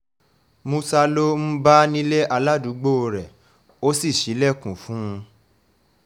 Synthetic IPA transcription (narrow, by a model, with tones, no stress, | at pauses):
mũ˧sa˧lo˦m̩̃˦ba˦nĩ˦le˦ʔa˧la˦du˨˦ɡ͡bo˦o˧ɾɛ˨ | o˦si˦˨ʃi˨˦lɛ˦˨kũ˨fũ˨˦˧